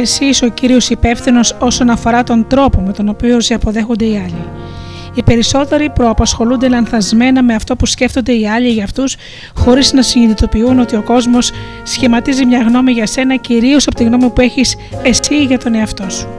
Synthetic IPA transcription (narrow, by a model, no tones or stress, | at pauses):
esiso̞ciɾio̞sipe̞fθino̞so̞so̞nɐfo̞ɾɐt̪o̞nd̪ɾo̞po̞me̞t̪o̞no̞piosiɐpo̞ðe̞xo̞nd̪e̞iɐʎi | ipe̞ɾiso̞t̪e̞ɾipɾo̞ɐpɐsxo̞lund̪e̞lɐnθɐzme̞nɐme̞ɐft̪o̞pusce̞ft̪ond̪e̞iɐʎiʝɐft̪us | xo̞ɾiznɐsiniðit̪o̞piuno̞t̪io̞ko̞zmo̞sː | çimɐt̪izimɲɐɣno̞miʝɐse̞nɐciɾio̞sɐpot̪iɣno̞mipue̞çis | e̞siʝɐt̪o̞ne̞ɐft̪o̞su̥